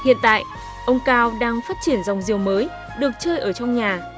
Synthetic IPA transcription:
hḭ˧˨ənt̪a̰ː˧˨jʔ | ʔə˧wŋ͡mkaː˧wɗaː˧ŋfaː˦˥t̚t͡ɕi˧˩ənza˨˩wŋ͡mzi˨˩əwməː˨˦j | ɗɨ˨˩ək̚t͡ɕəː˧jʔəː˧˩t͡ɕɔ˧wŋ͡mɲaː˨˩

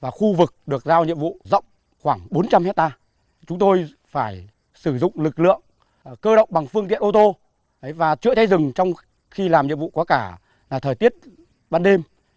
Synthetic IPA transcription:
vaː˨˩xu˧vɨ˨˩k̚ɗɨ˨˩ək̚zaː˧wɲḭ˧˨əmvṵ˧˨zə̰˧˨wŋ͡m | xwaː˧˩ŋɓo˨˦nt͡ɕa˧mhɛ˦˥t̚t̪aː˧ | t͡ɕʊ˨˦ŋ͡mt̪o˧j | faː˧˩j | sɨ˧˩zʊ̰˧˨ŋ͡mlɨ˨˩k̚lɨ̰˧˨əŋ | kəː˧ɗə̰˧˨wŋ͡mɓa˨˩ŋfɨ˧əŋt̪ḭ˧˨əʔo˧t̪o˧ | ʔə˨˦jvaː˨˩t͡ɕɨ̰˧˥ət͡ɕʰa˨˦jzɨ˨˩ŋt͡ɕɔ˧wŋ͡m | xi˧laː˨˩mɲḭ˧əmvṵ˧˨kɔ˨˦kaː˧˩ | laː˨˩t̪ʰəː˨˩t̪i˦˥ət̚ | ɓaː˧nɗe˧m

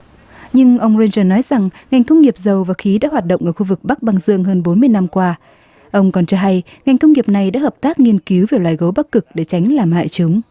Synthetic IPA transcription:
ɲɨ˧ŋʔə˧wŋ͡mze˧nzəː˧˩nɔ˨˦jza˨˩ŋŋa˨˩jŋ̟kə˧wŋ͡mŋi˨˩əp̚zə˨˩wvaː˨˩xi˨˦ɗa̰ː˧˥hwaː˨˩t̚ɗə̰˧˨ŋ͡mʔəː˧˩xu˧vɨ˨˩k̚ɓa˦˥k̚ɓa˧ŋzɨ̰˧˨əŋɦəː˧nɓo˨˦nmɨ˧əjna˧mkwaː˧ | ʔə˧wŋ͡mkɔ˨˩nt͡ɕɔ˧ɦa˧j | ŋa˨˩jŋ̟kə˧wŋ͡mŋi˨˩əp̚na˨˩jɗa̰˧˥həː˨˩p̚t̪aː˦˥k̚ŋi˧ənki˨˦wve˨˩wlwaː˨˩jɣə˨˦wɓa˦˥k̚ːɨ˨˩k̚ɗe˧˩t͡ɕa˨˦jŋ̟laː˨˩mha̰ː˧˨jt͡ɕɨ˨˦ŋ͡m

